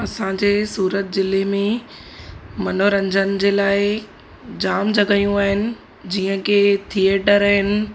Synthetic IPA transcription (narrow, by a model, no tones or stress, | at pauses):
ɐsãd͡ʑeːsuːɾət̪̚zɪlemẽ | mɐnoɾɐ̃ɲd͡ʑənɪ̆d͡ʑeːlaːɪ | d͡ʑaːmd͡ʑɐɡaijũaːɦɪnɪ̆ | d͡ʑiːə̃ket̪ʰieːʈəɾɐɦɪnɪ̆